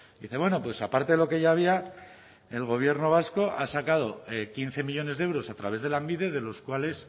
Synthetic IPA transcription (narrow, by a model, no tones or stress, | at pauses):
d̪iθe̞βwe̞no̞pwe̞sapaɾt̪e̞ðelo̞ke̞ʝaːβ̞ia | e̞lɣ̞o̞β̞je̞ɾno̞β̞asko̞ʔasakað̞o̞kin̟θe̞miʎo̞ne̞zðewɾo̞sat̪ɾaβe̞zð̞elambiðe̞ð̞e̞lo̞skwale̞s